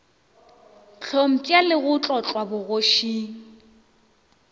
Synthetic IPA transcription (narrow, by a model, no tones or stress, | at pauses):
t͡ɬʰom̩kʼalɪɣʊt͡ɬʼɔt͡ɬʼwabʊɣoʃiːŋ̩